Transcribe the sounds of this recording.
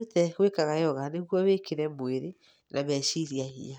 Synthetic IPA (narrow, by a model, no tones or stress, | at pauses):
tɛɣwekaɣajɔɣaneɣwɔβekʰeɾɛmweɾe | nʔamɛʃiɾiaɦḭa